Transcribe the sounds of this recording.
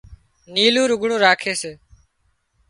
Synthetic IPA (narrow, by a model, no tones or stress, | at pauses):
niːlũːɾʊɡʱɳõːɾaːkʰeːseː